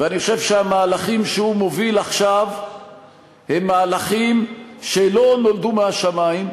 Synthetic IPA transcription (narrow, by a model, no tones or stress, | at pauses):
veaniχoʃe̞vʃeamaːlaχimʃeumo̞vilaχʃav | he̞mːaːlaχimʃelo̞no̞ld̪umeaʃamaim